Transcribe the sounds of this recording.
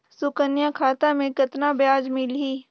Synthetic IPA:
sʊkənjakʰaːt̪amẽkɐt̪nabjaːd͡ʒmɪlɦiː

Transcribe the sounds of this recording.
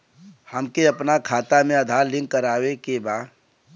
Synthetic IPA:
həmkeɐpnakʰaːt̪amẽɐd̪ʱaːɾlɪ̃ŋɡkəɾaːwekebaː

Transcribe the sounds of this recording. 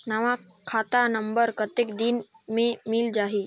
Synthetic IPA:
nɐʋa | kʰaːt̪anəmbəɾkət̪ekd̪in | mẽmild͡ʒaːɦi

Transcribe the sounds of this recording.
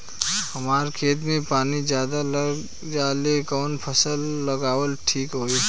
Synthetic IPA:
hɐmaːɾkʰeːt̪̬mẽpaːnizjaːd̪aləɡ | d͡ʒaːlekɔːnpʰəsəlːɐɡaːwəlʈʰiːkɦoːi

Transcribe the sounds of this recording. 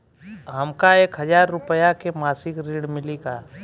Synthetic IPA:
ɦɐmkaeːkɦəzaːɾːʊpəjakemaːsɪkɾiːɽ̃mɪlikaː

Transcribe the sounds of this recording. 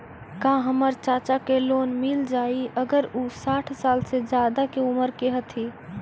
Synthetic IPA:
kãɦəməɾt͡ʃaːt͡ʃakeloːnmild͡ʒaːiʔəɡəɾusaːʈʰsaːlsed͡ʒjaːd̪akeuməɾkeɦət̪ʰi

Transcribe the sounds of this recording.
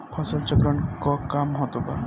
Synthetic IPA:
pʰɔsɔlt͡ʃɔkɾɔɳkɔkamɦɔt̪oba̰

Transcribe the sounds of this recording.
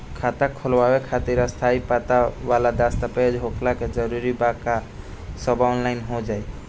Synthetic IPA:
kʰat̪akʰɔlwawekʰat̪iɾast̪ʰaipat̪awalad̪ast̪aped͡ʒɦokʰlaked͡ʒɔɾuɾibaka | sɔbaɔnlajnɦod͡ʒaj

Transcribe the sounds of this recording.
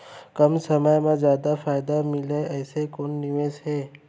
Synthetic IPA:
kɐmsəməjmẽzjaːd̪afʰaːɪd̪amɪleɛːsekoːnːɪʋẽsɦɛː

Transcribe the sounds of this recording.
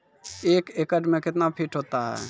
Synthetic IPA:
eːkekəʈmẽkɪt̪napʰiʈɦot̪aɦɛ̰

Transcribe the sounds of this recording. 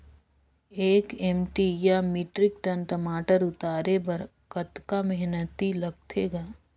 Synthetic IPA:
eːkɛːmʈijamiːʈɾɪkʈənʈəmaːʈəɾʊt̪aːɾebɐɾ | kɐt̪kamɛɦnət̪ilɐɡ̚t̪ʰeːɡaː

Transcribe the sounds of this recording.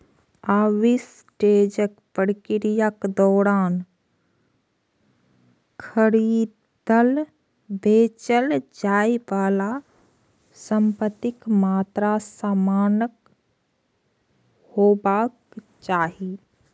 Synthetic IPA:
aːʋis | ʈeːd͡ʒəkpəɽkɪɾijakd̪ɔːɾaːn | kʰəɾiː | d̪əl | beːt͡ʃəld͡ʒaːiʋaːla | sə̃mpət̪ɪkmaːt̪ɾasaːmaːnək | hoːbaːk | t͡ʃaːɦi

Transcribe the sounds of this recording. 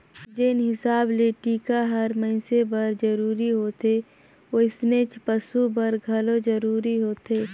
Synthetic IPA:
d͡ʒenɦɪsaːbleʈiːkaɦɐɾmɐɪ̃sebɐɾd͡ʒɐɾuːɾiɦoːt̪e | oɪsnet͡ʃpəsubɐɾɡʱɐlod͡ʒəɾuːɾiɦoːt̪eː

